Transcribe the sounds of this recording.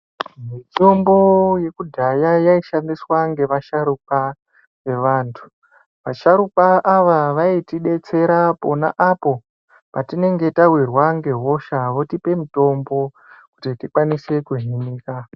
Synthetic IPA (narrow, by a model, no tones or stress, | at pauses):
mitombo̞je̞kudʱajajaiʃandiswaŋɡe̞ʋaʃaɾup̚a | ʋe̞ʋaːntʰu̥ | ʋaʃaɾupaʔːʋaʋaitiɗe̞t͡se̞ɾapo̞na̰ʔapo̞ | patine̞ŋɡe̞tawirwaŋɡe̞ɦo̞ʃaʋo̞tipe̞mito̞mbo̞ | kutitikwanise̞kuɦiniːka